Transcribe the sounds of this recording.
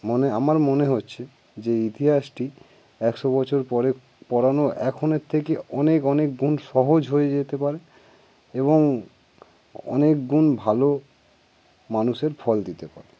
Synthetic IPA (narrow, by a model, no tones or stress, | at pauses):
moneamaɾmoneɦotːɕʰe | d͡ʑeit̪iɦaʃʈi | ɛkʃobɔt͡ɕʰoɾpɔɾe | pɔɽanoʔɛkʰoneɾt̪ʰekeɔnekɔnek̚ɡunʃɔɦod͡ʑɦojed͡ʑet̪epaɾe | eβoŋ | ɔ̰nek̚ɡunbʱalo | manuʃeɾfʰɔld̪it̪epa̰ɾe